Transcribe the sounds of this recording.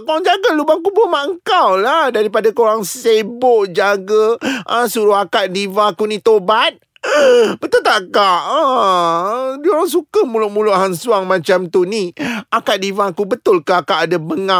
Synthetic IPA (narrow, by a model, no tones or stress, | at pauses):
kawaŋd͡ʒaɡəlubaŋkubumaʔəŋkawlahdaɾipadakoɾaŋsebʊʔd͡ʒaɡəəsuɾuakaʔ̪̚divãkunĩt̪obat̪̚ | bət̪ʊlt̪aʔkaʔə | dioɾaŋs̬ukəmulʊʔmulʊʔɦansuaŋmãt͡ʃamt̪uniakaʔ̪̚divãkubət̪ʊlkaakaʔadabəŋa